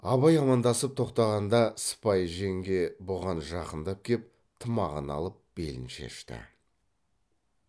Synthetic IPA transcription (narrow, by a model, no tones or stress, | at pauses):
ɑβɑjɑmɑnd̪ɑsəp̚t̪ʰo̞qt̪ɑʁɑnd̪ɑsə̥pɑjʒe̞ŋɡʲe̞boʁɑnʒɑqənd̪ɑp̚kʲʰe̞p̚ | t̪ʰəmɑʁənɑ̰lˠəp̚b̥e̞̰lɪnʃe̞̰ʃt̪ɪ̰